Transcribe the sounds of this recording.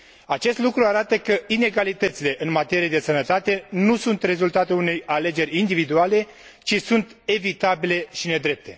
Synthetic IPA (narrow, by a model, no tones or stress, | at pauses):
at͡ʃe̞st̪lukɾuaɾat̪əkəine̞ɡalit̪ət̪sile̞ʔɨnmat̪e̞ɾijed̪e̞sənət̪at̪e̞nusunt̪re̞zult̪at̪uunejale̞d͡ʒe̞ɾʲind̪ivid̪uale̞ | t͡ʃisunt̪e̞vit̪abile̞ʃine̞d̪ɾe̞p̚t̪ʰe̞